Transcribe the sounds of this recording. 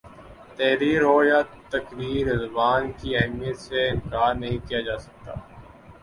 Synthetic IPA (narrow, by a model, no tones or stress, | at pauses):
t̪ɛːɾiːɾɦoːjaːt̪ɐkɾiːɾɪzʊbaːnkiɛɦmijət̪seɪ̃nkaːɾnɐɦĩkijad͡ʒaːsɐk̚t̪a̰ː